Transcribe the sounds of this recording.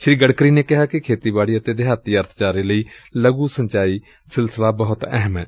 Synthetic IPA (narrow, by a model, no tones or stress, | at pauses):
ʃɾiːɡəɽkɾiːneːkɪɦaːkɪkʰeːt̪iːbaːɽiːət̪eːd̪ɪɦaːt̪iːəɾt̪ʰt͡ʃaːɾeːləiːləɡũːsəɲt͡ʃaːiː | sɪlsəlaːbəɦʊt̪ɛ̰ɦmɛ̰ː